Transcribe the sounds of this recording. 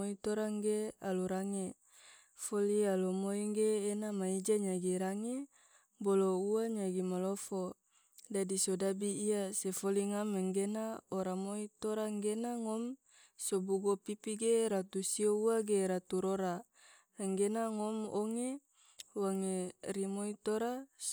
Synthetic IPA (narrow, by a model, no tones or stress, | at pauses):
oit̪oɾaŋɡealuɾaŋe | folialomoiŋɡeːnamaid͡ʒaɲaɡiɾaŋe | bolouaɲaɡimalofo | dadisodabiːasefoliŋameŋɡenaoɾamoit̪oɾaŋɡenaŋɔm | sobuɡopipiɡeɾat̪usiouaɡeɾat̪uɾoɾa | ɛŋɡenaŋɔmoŋe | waŋeɾimoit̪oɾa